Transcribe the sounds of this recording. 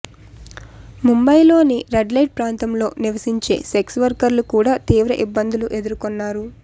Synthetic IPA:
mumbɐjlo̞ːniɾeɖlɐjʈ̚pɾaːnt̪ɐmlo̞ːniʋɐsiɲt͡ʃe̞̰ːseksʋɐɾkɐɾlukuːɽaːt̪iːʋɾɐʔibːɐnd̪uluʔe̞d̪uɾukɔnːaːɾu

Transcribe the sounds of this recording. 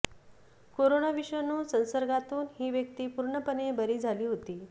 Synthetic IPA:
koɾonaʋiʂʋənuːsə̃w̃səɾɡat̪uːnɦiːʋjək̚t̪iːpuɾɳəpənebəɾiːd͡zʱaliːɦot̪iː

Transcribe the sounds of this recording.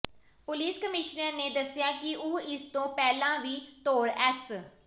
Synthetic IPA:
pʊliːskəmɪʃnəɾneːd̪əsɪjaːkɪʔʊɪst̪õːpɛːlãːʋiːt̪oːɾɛːs

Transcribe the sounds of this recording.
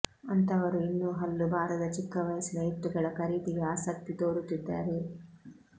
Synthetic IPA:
ɐnt̪ɐʋɐɾuinːuːɦɐlːubʱaːɾɐd̪ɐt͡ʃikːɐʋɐjɐsinɐjit̪ːuɡɐɭɐkɐɾiːd̪iɡeaːsɐk̚t̪it̪oːɾut̪ːid̪ːaːɾe

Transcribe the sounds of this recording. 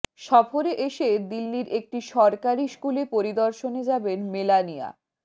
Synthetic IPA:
ʃɔfoɾeʔeʃed̪ilːiɾek̚ʈiʃɔɾkaɾiʃkulepoɾid̪oɾʃoned͡ʑabenmelanija̰

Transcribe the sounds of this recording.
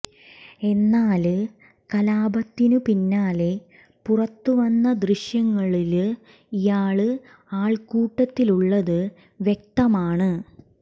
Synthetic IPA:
e̞nːaːl | kɐlaːbɐt̪ːinupinːaːle | purɐt̪ːuʋɐnːɐd̪riɕjɐŋːɐɭilɨ | ijaːɭɨ | aːɭkuːʈːɐt̪ːiluɭːɐðɨ | ʋjek̚t̪ɐmaːɳɨ

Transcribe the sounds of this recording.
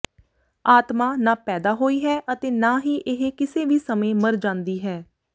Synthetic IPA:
aːt̪maːnãːpɛːd̪aːɦoːiːɦɛːʔət̪eːnaːɦiːʔɪɦekɪseːʋiːsəmẽːməɾd͡ʒãːnd̪iːɦɛː

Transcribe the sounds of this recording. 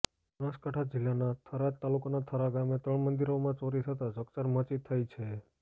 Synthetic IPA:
bənaskaʈʰad͡ʒɪlːanat̪ʰəɾat̪ːalukanat̪ʰəɾaɡamet̪ɾəɳmənd̪iɾomãt͡ʃoɾit̪ʰət̪ad͡ʒəkt͡ʃəɾmət͡ʃit̪ʰːajt͡ʃʰe

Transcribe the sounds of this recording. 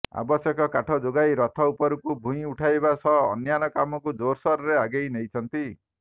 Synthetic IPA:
a̰bɔsjɔkɔkaʈʰɔd͡ʒoɡajɾɔt̪ʰɔupɔɾukubʱũĩuʈʰajbasɔ̰ːnjanɔkamɔkud͡ʒoɾsɔɾɔɾeaɡejnejt͡ʃʰɔnt̪i

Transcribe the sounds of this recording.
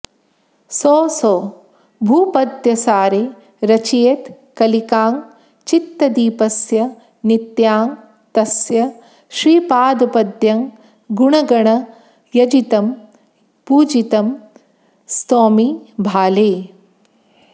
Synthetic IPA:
soːsoː | bʱuːpɐd̪jɐsaːɾe | ɾɐt͡ʃieːt̪ | kɐlikaːŋ | t͡ʃit̪ːɐd̪iːpɐsjɐ | nit̪jaːŋ | t̪ɐsjɐ | ʃɾiːpaːd̪ɐpɐd̪jɐŋ | ɡuɳɐɡɐɳɐ | jɐd͡ʒit̪ɐm | puːd͡ʒit̪ɐm | st̪oːmibʱaːleː

